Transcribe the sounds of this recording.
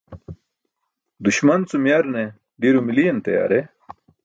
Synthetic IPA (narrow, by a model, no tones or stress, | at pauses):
d̪uɕmɐnt͡sumjaɾne | ɖiɾumilijent̪ɐja̰ːɾe